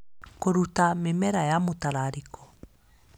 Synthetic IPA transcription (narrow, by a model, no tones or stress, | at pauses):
koɾutamemɛɾajamotaɾaɾikʰɔ̥